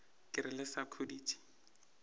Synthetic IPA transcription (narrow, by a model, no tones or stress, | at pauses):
kʼɪɾɪlɪsakʰudiːtʰʼi̥